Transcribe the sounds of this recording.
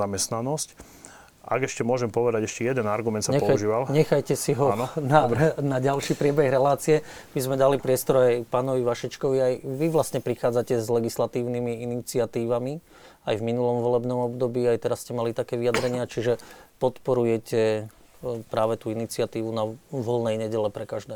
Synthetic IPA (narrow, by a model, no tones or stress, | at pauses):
amɛst̪nanɔsc | a̰ɡɛʃcɛmʊɔʒɛmpɔʋɛd̪aɟɛʃcɛjɛd̪ɛnaɾɡumɛnt̪saɲɛpɔauʒiːʋalɲɲɛxajcɛsiɦɔnɔnanaɟalʃiːpɾɪɛbɛɣɾɛlaːt͡sijɛ | bizmɛd̪alipɾɪɛst̪ɔɾajpaːnɔʋiʋaʃɛt͡ʃkɔʋiajʋiʋlast̪ɲɛpɾixaːd͡zacɛzlɛɡislat̪iːʊnimiinit͡sɪat̪iːʋami | ajvminulɔmʋɔlɛbnɔmɔbd̪ɔbiːajt̪ɛɾascɛmalit̪akɛːʋijad̪ɾɛɲɪat͡ʃiʒɛpɔt̪pɔɾujɛcɛ | pɾaːʋɛt̪uːinit͡sɪat̪iːʋunaʋɔlnɛjɲɛɟɛlɛpɾɛkaʒd̪ɛː